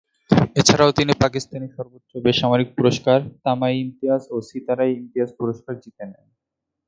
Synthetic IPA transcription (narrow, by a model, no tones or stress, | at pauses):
et͡ɕʰaɾaot̪inipakist̪ʰaniʃɔɾbot̪ːɾobeʃamaɾik̚puɾoʃkaɾt̪amajimt̪iasosit̪aɾajimt̪iaspuɾoʃkaɾd͡ʑit̪enḛn